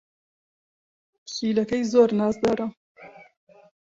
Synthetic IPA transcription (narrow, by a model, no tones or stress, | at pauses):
siːlɐkɐjzoːɾnɑːsd̪ɐɾɐ